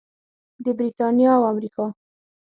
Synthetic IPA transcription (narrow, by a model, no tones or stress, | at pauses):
d̪əbɾit̪ɑnjɑawamɾikɑ